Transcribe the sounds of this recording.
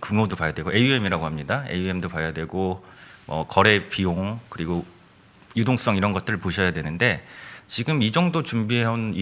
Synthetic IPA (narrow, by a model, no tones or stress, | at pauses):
kuŋodopajadwe̞ɡoʔe̞jue̞miɾaɡoɦamɲidae̞̰jue̞mdopajadwe̞ɡomʌ̰kʌɾe̞pioŋkɯɾiɡo | judoŋs͈ʌŋiɾʌnɡʌt͈ɯɾɯɭpoɕʰʌjadwe̞nɯnde̞t͡ɕiɡɯmid͡ʑʌŋdot͡ɕumbieɦanni